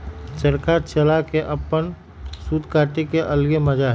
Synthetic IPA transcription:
t͡ʃəɾkat͡ʃəlakeʔəpən | suːd̪ʱkaːʈikeʔəlɡeməd͡ʒaɦ

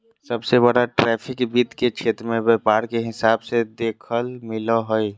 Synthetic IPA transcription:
səbsebəɽaʈɾɛːpʰɪkbiːt̪ket͡ʃʰeːt̪ɾəmẽbepaːɾkeɦɪsaːbsed̪eːkʰəlmɪloɦoi

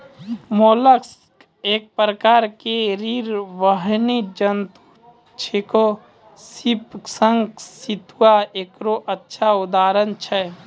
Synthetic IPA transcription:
moːləks | eːk̚pɾəkaːɾkeɾiɾʋəɦnid͡ʒənt̪u | t͡ʃʰeko | sipsə̃ŋɡsit̪uwaeːkɾoʔətːʃʰaʊd̪aːɾənt͡ʃʰɛ

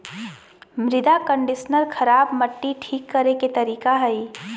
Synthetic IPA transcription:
mɾɪd̪akə̃ɳɖɪʃnəɾkʰɐɾaːbmɐʈːiʈʰiːkːɐɾeket̪ɐɾiːkaɦɐi

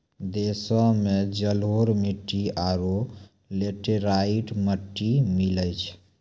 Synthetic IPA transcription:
d̪esɔ̃med͡ʒəlɦoɾmiʈːiaɾo | leʈeɾaiʈməʈːimiləjt͡ʃʰ

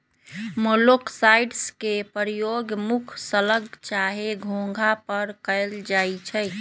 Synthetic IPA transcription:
moloksajɖskepəɾijoɡmukʰsələɡt͡ʃaɦeɡʱõŋ̆ɡʱapəɾkəɪld͡ʒajt͡ʃʰəj

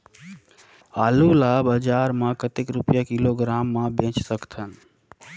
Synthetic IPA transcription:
aːlulabəd͡ʒaːɾmãkət̪ikɾupjakɪloɡɾaːmːãbʱẽːt͡ʃsəkt̪ʰən

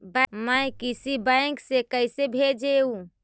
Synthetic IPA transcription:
bməjkisibəɪŋksekəɪsebʱed͡ʒeũ

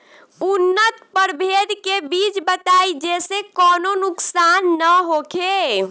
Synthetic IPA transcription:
unːət̪pəɾbʱed̪kebit͡ʃbət̪aid͡ʒesekɔnonuksanːəɦokʰe

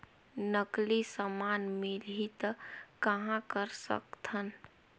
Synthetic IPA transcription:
nəklisəmanmilɦit̪kəɦãkəɾsə̰kt̪ʰən

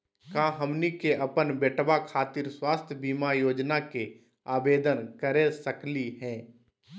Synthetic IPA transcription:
kãɦəmnikeʔəpənbeʈbakʰaːt̪iːɾswaːst̪ʰjəbiːmajoːd͡ʒnake | aːbeːd̪ənkəɾesəkliɦɛ̃ː

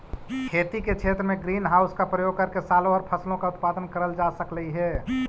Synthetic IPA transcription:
kʰeːt̪iket͡ʃʰeːt̪ɾəmẽɡɾiːnɦaːʊskapɾəjoːɡ̚kəɾkesaːlõɔːɾpʰəslõkaʊt̪̚paːd̪ənkəɾəld͡ʒasəkləiɦɛː

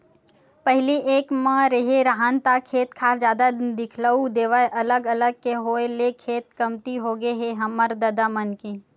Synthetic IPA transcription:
pəɦɪliʔeːkmãɾɐɦeɾaɦaːnt̪akʰeːt̪kʰaːɾd͡ʒjaːd̪ad̪ɪkʰləud̪eːʋaeʔɐləɡɐləɡ̚keɦoːelekʰeːt̪̚kɐmt̪iɦoɡəeɦeɦɐməɾd̪ɐd̪amənkeː

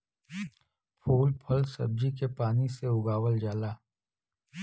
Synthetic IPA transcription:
pʰuːlpʰɐlsɐ̰b̚d͡ʒikepaːniseʊɡaːwəld͡ʒaːlaː

